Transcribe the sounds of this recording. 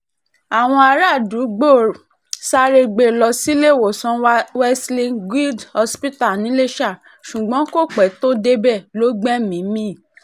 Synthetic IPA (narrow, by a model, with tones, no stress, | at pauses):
a˨w̃ɔ̃˧a˧ɾa˦˨du˨˦ɡ͡bo˦˨ | sa˧ɾe˧ɡ͡be˦˨lɔ˧si˦le˦˨wo˨sɔ̃˨˧˦wɛ˦slĩ˧ɡi˦dhɔ˧spi˦ta˦˨nĩ˨˦le˦ʃa˦˨ | ʃu˨ɡ͡bɔ̃˨˦ko˦˨k͡pɛ˨˦to˦de˧bɛ˦˨lo˨˦ɡ͡bɛ˦mĩ˨˦mĩ˦˨